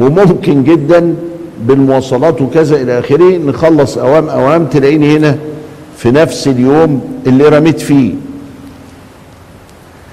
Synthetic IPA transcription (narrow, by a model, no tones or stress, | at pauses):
wemomkenɡed̪ːænbelmowɑːsˤɑlɑːt̪wekæzæʔelæʔæːxeɾehnexɑlːɑsˤʔæwæːmʔæwæːmt̪elæʔiːnihenæfinæfseljoːmʔelːiːɾˤæmet̪fiː